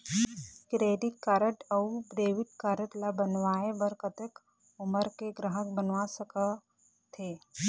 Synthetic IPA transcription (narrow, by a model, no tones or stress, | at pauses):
kɾeːɖɪʈ̚kaɾəʈɐwbɾeːʋɪʈkaɾəʈlabənʋaːebɐɾkət̪ək | ʊməɾkeɡɾəɦək̚bənʋasəkə | t̪ʰe